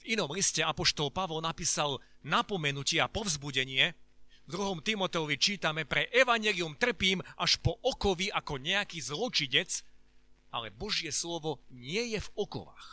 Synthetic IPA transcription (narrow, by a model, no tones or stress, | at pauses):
vinɔmliscɛapɔʃt̪ɔlpaʋɔlnapiːsal | napɔmɛnucɪɛapɔvzbuɟɛɲɪɛvd̪ɾuɦɔmt̪imɔt̪ɛɔʋit͡ʃiːt̪amɛpɾɛʔɛʋaɲjɛliumt̪r̩piːmaʃpɔʔɔkɔʋiʔakɔɲɛakiːzlɔt͡ʃiɲɛt͡s | ʔalɛbɔʒɪɛslɔʋɔɲɪɛjɛvɔkɔ̰ʋa̰x